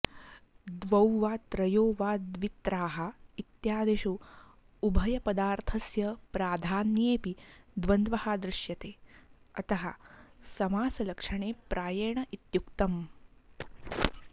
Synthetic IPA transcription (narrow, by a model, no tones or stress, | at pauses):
d̪ʋɐwʋaːt̪ɾɐjoːʋaːd̪ʋit̪ɾaːɦɐ̆it̪jaːd̪eʃu | ubʱɐjɐpɐd̪aːɾt̪ʰɐsjɐpɾaːd̪ʱaːnjeːpid̪ʋɐnd̪ʋɐhaːd̪ɾɪʃjɐt̪eː | ɐt̪ɐɦɐ̰sɐmaːsɐlɐkʂɐɳeːpɾʔaːjɐːɳɐʔit̪jukt̪ɐm